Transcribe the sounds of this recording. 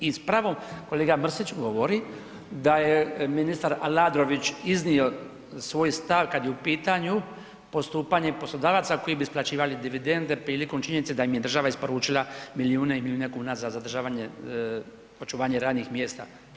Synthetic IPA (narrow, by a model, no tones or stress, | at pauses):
ispɾaʋo̞mko̞leːɡamr̩sit͡ʃɡo̞ʋoɾi | d̪ajeminist̪aɾalaːd̪ɾo̞ʋit͡ʃiznio̞ | sʋo̞ːjst̪aʋkad̪jeupiːt̪aɲu | po̞st̪uːpaɲe̞po̞slˠod̪aːʋat̪sako̞jibisplˠat͡ɕiːʋalid̪iʋid̪e̞nd̪e̞pɾiːlikomt͡ʃiɲenit̪sed̪aimjed̪r̩ʒaʋaispo̞ɾuːt͡ʃilˠamilijuːneimiliuːne̞kuːnazazad̪r̩ʒaːʋaɲe | o̞t͡ʃuʋaːɲe̞ɾaːd̪nixmje̞ːst̪a̰